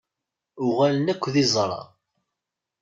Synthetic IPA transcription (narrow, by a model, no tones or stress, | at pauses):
ʊʁalənækʷːðizˤɾˤɑ̰